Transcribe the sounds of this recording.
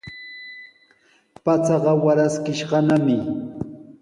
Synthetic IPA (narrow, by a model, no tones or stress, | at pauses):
pat͡sɑɢɑwaɾaskɪʃɢɑnamɪ